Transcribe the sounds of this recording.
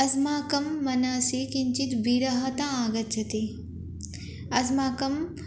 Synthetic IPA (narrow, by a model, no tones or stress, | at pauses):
ɐsmaːkɐmːɐnaːsikiɲt͡ʃit̪biɾɐɦɐt̪aaːɡɐt̪̚t͡ʃʰɐt̪i | ɐsmaːkɐm